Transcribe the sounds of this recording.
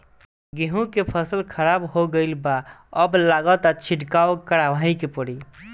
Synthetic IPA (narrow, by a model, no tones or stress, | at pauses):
ɡeɦũkepʰəsəlkʰəɾabɦoɡəɪlbaəblaɡət̪at͡ʃʰiʈkaokəɽabʱaɦikepəɽi